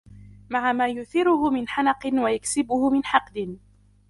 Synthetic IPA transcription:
maʕamaːjʊθɪɾʊhʊmɪnħanɑqɪnwajaksɪbʊhʊmɪnħɑqd̪ɪn

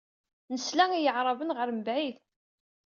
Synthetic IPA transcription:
nəslæŋijəʕɾˤɑvənʁəɾməbʕið

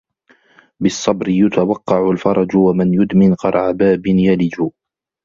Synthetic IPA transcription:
bɪsˤːɑbɾɪjʊt̪awɑqːɑʕʊlfɑɾˤɑd͡ʒwamɪnjʊd̪mɪnqɑɾˤʕabaːbɪnjalɪd͡ʒu

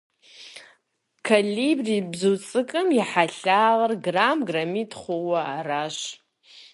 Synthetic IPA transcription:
kʰalibribzowt͡sʼɨkʼɨmjaħaɬaːlarɡramɡramitʰʼχʷowaːraʃ

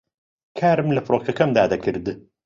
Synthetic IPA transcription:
kʰaːɾɨmlɐfɾoːkʰɐkɐmd̪aːd̪ɐkʰɨɾd̪ɨ

